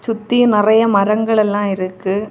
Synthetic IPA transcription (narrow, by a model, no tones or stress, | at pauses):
t͡ʃʊt̪ːɪjɯ̃nɪrɐjɐmɐɾɐŋɡɐɭɛlːãːɪɾɯkːɯ